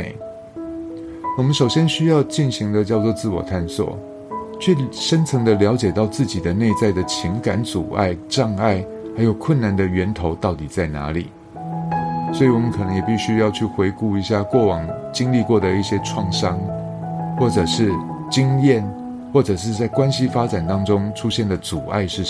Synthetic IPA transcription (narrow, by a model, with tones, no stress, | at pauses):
wɔ˨˩mə˦nʂo˨˩ʊɕjɛ˥nɕy˥jɑ˥˧ʊt͡ɕi˥˩nɕi˧˥ŋd̪ə˧t͡ɕjɑ˥˧ʊt͡swɔ˥˧t͡sɹ̩˥˩wɔ̰˨˩t̪ʰa˥˧nswɔ̰˨˩ | t͡ɕʰɥɛ˥˩ʂə˥nt͡sʰɤ˧˥ŋd̪ə˧ljɑ˧˥ʊt͡ɕjɛ˨˩t̪ɑ˥˧ʊt͡sɹ̩˥˩t͡ɕi˨˩d̪ə˦ne˥˧ɪt͡sa˥˩ɪd̪ə˩t͡ɕʰi˧˥ŋka˧˥nt͡su˨˩a̰˥˩ɪʈ͡ʂɑ˥˧ŋa˥˩ɪ | xa˧ɪjo˨˩ʊkʰwə˥˩na˧˥nd̪ə˨ɥɛ˧˥nt̪ʰo˧˥ʊt̪ɑ˥˩ʊt̪i˨˩t͡sa˥˩ɪna̰˧˥lḭ˨˩˦ | swɔ˧˥i˨˩wɔ˨˩mə˦nkʰɤ˨˩nɤ˧˥ŋjɛ˨˩pi˥˩ɕy˥jɑ˥˧ʊt͡ɕʰy˥˩xwe˧˥ɪku˥˩i˧˥ɕja˥˧kwɔ˥˩wɑ˨˩ŋt͡ɕi˥ŋli˥˧kwɔ˥˩d̪ə˩i˥˩ɕjɛ˦˥ʈ͡ʂʰwɑ˥˩ŋʂɑ˥ŋ | xwɔ˥˩ʈ͡ʂɤ˨˩ʂɻ̩˥˩ | t͡ɕi˥ŋjɛ˥˨n | xwɔ˥˩ʈ͡ʂɤ˨˩ʂ̬ɻ̩˥˧t͡sa˥˩ɪkwa˥nɕi˥fa˥ʈ͡ʂa˨˩nt̪ɑ˥ŋʈ͡ʂʊ˥ŋʈ͡ʂʰu˥ɕjɛ˥˩nd̪ə˩t͡su˨˩a̰˥˧ɪʂɻ̩˥˩